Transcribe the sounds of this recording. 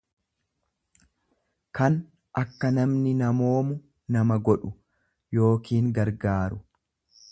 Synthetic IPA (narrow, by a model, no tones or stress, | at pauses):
kɐn | ʔɐkːɐnɐmnɪnɐmo̞ːmʊ | nɐmɐɡɔᶑʊ | jo̞ːkiːŋɡɐɾɡaːɾʊ